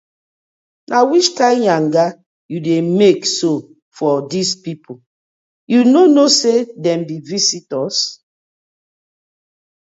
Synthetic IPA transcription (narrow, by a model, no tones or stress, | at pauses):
nʔawit͡ʃtãɪ̃mjãŋɡa | judemekso | fɔdispipʰu | junonosedɛ̃mbivisitɔs